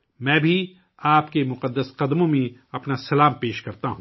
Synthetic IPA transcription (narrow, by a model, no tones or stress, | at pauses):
mɛ̃ːbʱi | aːpkemʊqəd̪ːəsqɐd̪mõmẽɐpnasɐlaːmpeːʃkɐɾt̪aɦũː